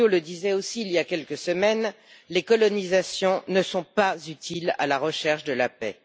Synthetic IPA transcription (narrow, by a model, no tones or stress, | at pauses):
oləd̪izɛosiːljakʲɛlkəsəmɛn | lekɔlɔnizasjɔ̃nəsɔ̃pazyt̪ʰila̰laʁəʃɛʁʃd̪əlapɛ̰